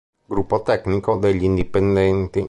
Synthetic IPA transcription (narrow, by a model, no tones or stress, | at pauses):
ɡɾupot̪ɛknikod̪eʎind̪ipend̪ent̪i